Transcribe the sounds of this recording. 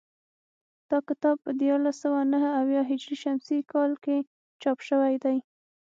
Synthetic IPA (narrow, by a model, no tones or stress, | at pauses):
d̪̥ɑkɪt̪ɑb̚pəd̪jɑɾlasawanaɦəawjɑɦɪd͡ʒɾiʃamsikɑlke | t͡ʃɑpʃəwajd̪aj